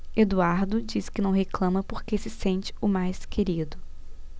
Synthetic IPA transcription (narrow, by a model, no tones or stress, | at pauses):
ed̪uaɾd̪ʊd͡ʒisɪ̥kɪnɐ̃w̃ɦeklɐ̃mɐpoɾkesɪsẽnt͡ʃɪ̥ʊmajskʰeɾid̪ʊ